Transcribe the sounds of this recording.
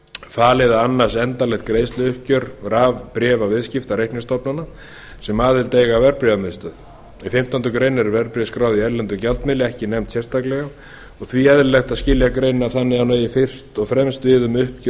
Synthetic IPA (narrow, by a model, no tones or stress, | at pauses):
faːlɪðaanːar̥sɛnt̪alɛxt̪̚kɾeːjst̪lɪʏhp̚cʏɾɾaːvpɾjɛːvavɪðscɪft̪aɾejhknɪst̪ɔpnana | sɛmaːðɪlt̪eːjɣavɛɾpɾivamɪðst̪œːð | ifɪm̥t̪ant̪ʏkɾejnɛɾɾvɛɾpɾiaskɾaːwðiɛɾlɛnt̪ʏcalt̪mɪlɪɛhcɪnɛmt̪sjɛrst̪ʰaklɛɣa | ɔɣθviɛðɾlɛxt̪ascɪljakɾeːjnaθanːɪɣawneːjɪfɪr̥st̪ɔɣfɾɛmst̪vɪːðʏmʏhpc